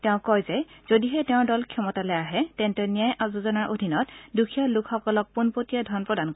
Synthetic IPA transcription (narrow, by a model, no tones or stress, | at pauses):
tɛʊ̃kɔjzɛz̥odiɦɛtɛʊ̃dɔlkʰiɔmɔtalɛaɦɛtɛntɛnijajʔazuzɔnaɹʔodʱinɔtdukʰialukxɔkɔlɔk̚punpotijadʱɔnpɹɔdanko